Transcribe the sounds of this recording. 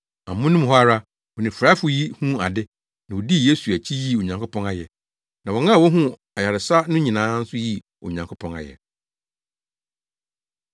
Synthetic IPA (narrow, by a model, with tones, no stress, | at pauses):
a˨mʊ̃˦nũ˦mɦɔ˦a˦˨ɾa˦ | wɔ˨nɪ̃˨fɾa˦fʊ˦ji˦hũ˦a̰˨dɪ˦ | nã˨wɔ˨di˦˨je˦su˨æ˨t͡ɕʰi˦ji˦o˨ɲã˨ŋkʰʊ˦pʰɔ̃˦na˦jɛ˨ | nã˨wɔ˨nã˦˨wɔ˦ɦũ˦ | a˨ja˨ɾɪ˨sa˦nʊ̃˦ɲĩ˨nãː˨˦n̩˦sʊ˦ji˦ | o̰˨ɲã˨ŋkʰo˦pʰɔ̃˦na̰˨jɛ̰˨